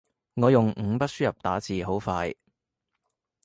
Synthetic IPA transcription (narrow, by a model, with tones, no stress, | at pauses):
ŋɔː˨˧jʊ˨ŋŋ̩˨˧˥pɐ˥t̚syː˥jɐ˨p̚t̪aː˨˥t͡siː˨˩ɦo˨˥wfaː˧j